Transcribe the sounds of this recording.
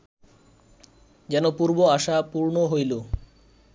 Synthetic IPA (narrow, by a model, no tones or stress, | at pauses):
d͡ʑɛnopuɾboaʃapuɾnoɦojlo